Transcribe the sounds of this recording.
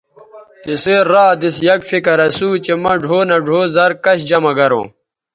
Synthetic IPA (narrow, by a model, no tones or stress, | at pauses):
t̪iseːaːd̪isjɐkfikɐɾɐsuːt͡ɕemɐɖʱoːnɐɖʱoːzɐɾkɐɕd͡ʑɐmɐɡɐɾõ̰ː